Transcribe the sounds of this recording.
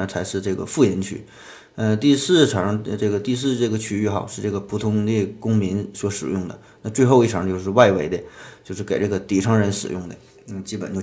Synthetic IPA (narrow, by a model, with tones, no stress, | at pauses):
ə˥˩t͡sʰa˧˥ɪʂɻ̩˥˧ʈ͡ʂɤ˥˩ɡə̰˩fu˥˩jɛ˧˥nt͡ɕʰy̰˧˥ | ə˧t̪i˥˧sɹ̩˥˩ʈ͡ʂʰɑ˧˥ŋʈ͡ʂɤ˥˩ɡə˩t̪i˥˧s̬ɹ̩˥˧ʈ͡ʂɤ˥˩ɡə˩t͡ɕʰy˥y˥˩xɑ˨˩ʊʂɻ̩˥˧ʈ͡ʂɤ˥˩ɡə˩pʰu˧˥t̪ʰʊ˧˥ŋli˥˩kʊ˥ŋmi˧˥nswɔ˧˥ʂɻ̩˨˩jʊ˥˩ŋd̪ə̰˩ | na˥˧t͡swe˥˧ɪxo˥˧ʊi˥˩ʈ͡ʂʰɑ˧˥ŋt͡ɕjo˥˧ʊʂɻ̩˥˧wa˥˩ɪwe˧˥ɪd̪ə˧t͡ɕjo˥˧ʊʂɻ̩˥˩ke˨˩ɪʈ͡ʂɤ˥˩ɡə˩t̪i˧˥ʈ͡ʂʰɑ˧˥ŋɻə˧˥nʂɻ̩˨˩jʊ˥˩ŋd̪ə̰˩˥˩ | t͡ɕi˥pə˨˩˦nt͡ɕjʊ